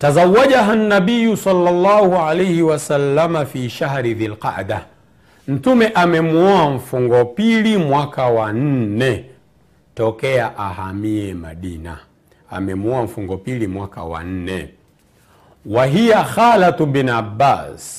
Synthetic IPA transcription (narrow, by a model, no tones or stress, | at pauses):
tazawːaʄaɦanːaɓijusɑlːalːɑːhualajhiwasalːamafiʃahɾiðilqa̰ʔda | m̩tumɛʔamɛmuɔaɱ̩fuŋɡɔpilimwakawan̩nɛ | tɔkɛaʔahamiɛmaɗina̰ | a̰mɛmuɔam̩fuŋɡɔpilimwaka̰wa̰n̩nɛ̰ | waɦijaxalatubinabaːs